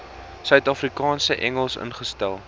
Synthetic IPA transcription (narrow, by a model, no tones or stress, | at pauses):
sœɥtɐfrikɑːnsəʔɛŋəlˠsə̰nχəstælˠ